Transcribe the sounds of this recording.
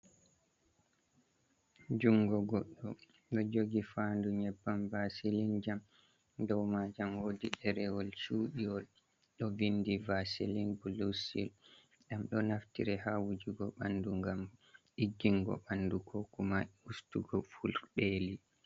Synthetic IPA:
d͡ʒuŋɡɔɡɔɗːɔ | ɗɔd͡ʒoɡifanduɲɛbːamvasilind͡ʒam | dɔwmad͡ʒamwodiɗɛɾɛwɔlʃuːɗiwɔl | ɗɔvindivasilinbulusil | ɗamɗɔnaftḭɾɛhawud͡ʒuɡɔɓanduŋɡamʔid͡ʒiŋɡɔ̰ɓandukʰɔkumaustuɡɔfulɗeli

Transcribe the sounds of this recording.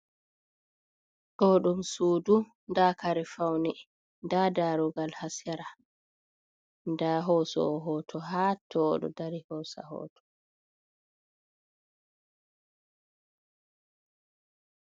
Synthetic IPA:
ɗɔːɗumsuːdu | ndaːkaɾɛfawnɛ | ndadaɾɔɡalhasɛɾa | ndaɦɔːsɔ̰ɦɔːtʰɔɦaːtʰɔːɗɔ̰daɾihɔsa̰hɔ̰ːtʰɔ̥

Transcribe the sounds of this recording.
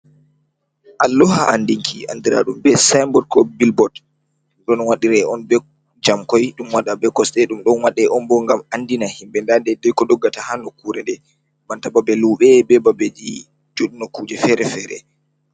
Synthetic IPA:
ʔalːɔɦa̰ʔandiŋkʰia̰ndiɾa̰ɗumbɛsajmbɔt̚kɔbilbɔd | ɗɔnwaɗiɾɛɔnbɛ | d͡ʒamkɔjɗumwaɗabɛkɔsɗɛɗumɗɔnwaɗɛʔɔnbɔŋɡamandinahimbɛndandɛdɛjkɔɗɔɡːatahanɔkuɾɛndɛ | mantababɛluːɓɛbɛbabed͡ʒi | d͡ʒoɗinɔkuːd͡ʒɛfɛɾɛfɛɾɛ̰

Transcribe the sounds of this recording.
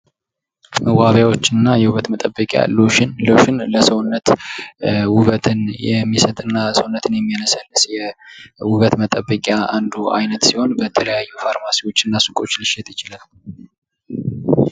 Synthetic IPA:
məwaβjawo̞t͡ʃːɨnːajɛwuβət̪mət̪ʼəbːəkʼja̰loʃɪnloʃɪnləsəwnːət̪ | wʊβət̪ʰɨnjɛmːisət̪ʼɨnːasəwnːət̪ʰɨnjɛmːijanəsəlɨsjɛwʊβət̪mət̪ʼəbːəkʼjaand̪uʔa̰jnət̪siho̞nbət̪ʰələjajːufaɾmasiwo̞t͡ʃːɨnːasɨkʼo̞t͡ʃːlɨʃɛt̪jɪt͡ʃɪlal

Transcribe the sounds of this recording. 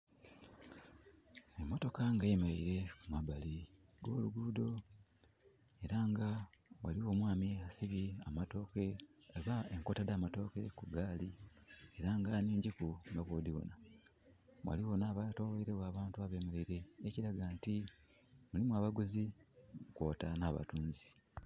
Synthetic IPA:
emːo̞to̞kaŋɡemeɾeiɾe̞kumabali | ɡo̞ːluɡuːdo̞ | e̞ɾaŋɡawa̰liwo̞ːmwaːmiasiβiamato̞ke̞eβaeŋko̞tadaːmato̞ke̞kuɡaːlie̞ɾaŋɡaneːɲɟikumbaβoːdiβo̰na | wʔa̰liwo̞naːβatowoiɾeɣwaːβaːntuaβe̞ːmeɾeiɾe̞ːciɾaɡanti | mulimwaːβaɡuziukwoːtanaːβa̰tuːnzi̥

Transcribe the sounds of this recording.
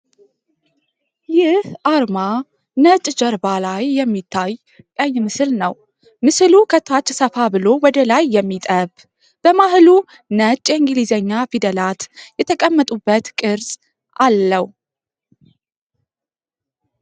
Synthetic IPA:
jɪhʔaɾma | nət͡ʃʼd͡ʒəɾbalajːɛmːit̪ʰːaj | kʼəjːmɨsɨlnəw | mɨsɨlukʰət̪ʰat͡ʃːsəfabɨlowɔd̪əlajːɛmːit̪ʼəβ | b̥əmahlu | nət͡ʃʼːjɛŋɡlizəɲːafid̪əlat̪jɛt̪ʰəkʼəmːət̪ʼubːət̪kʼɨɾsʼ | alːəw

